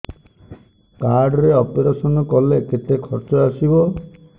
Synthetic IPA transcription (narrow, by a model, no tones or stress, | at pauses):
kaɾɖɔɾeɔpeɾasɔnɔkɔleket̪ekʰɔɾt͡ʃɔasibɔ